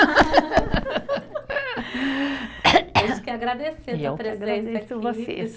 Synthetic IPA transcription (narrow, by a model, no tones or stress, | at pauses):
kɪaɡɾad̪esewt̪ɾeɡɾad̪esʊvosḛ